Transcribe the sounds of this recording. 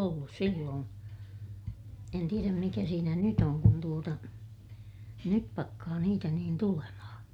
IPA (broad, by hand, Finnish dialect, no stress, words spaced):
olːus silːoːn en tieræm mikæ siːnæ nyt oŋ kun tuotɑ nyp pɑkːɑː niːtæ niːn tulemɑhɑ̃ː